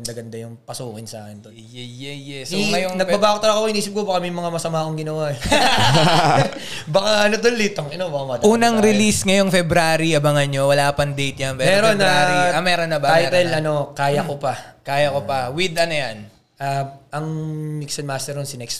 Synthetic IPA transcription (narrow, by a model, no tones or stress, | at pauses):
ɐnd̪aɡɐnd̪ɐjʊŋpɐsuːkɪnsa̰ːkɛnd̪o | jɛjɛjɛsiɐjoŋnɐɡbɐbaːkot̪ɐlakokoʔɪniːsɪp̚kobɐkamɛjmɐŋamɐsɐmaːkoŋɡɪnɐwaʔ | bɐkaʔɐnot̪olːit̪oŋɐnobɐkamɐad̪ʔuːnɐŋɾɪlisŋɐjoŋfɛbɾaːɾiʔɐbɐŋɐɲowɐlaːpɐnd̪ejt̪̚jɐnmɛːmɛɾonaaiɐmɛːɾonːɐbaajt̪ɛlɐno̞kaːjɐkopɐkaːjɐkopɐwid̪ɐnojan | ʔaɐŋmiksɐnmast̪ɛɾonsɪnɛkst̪